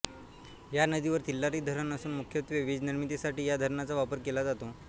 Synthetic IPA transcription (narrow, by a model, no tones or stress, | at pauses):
janəd̪iʋəɾt̪ilːaɾiːd̪ʱəɾənəsuːnmukʰjət̪ʋeʋiːd͡zniɾmit̪esaʈiːjad̪ʱəɾɳat͡saʋapəɾkelad͡zat̪o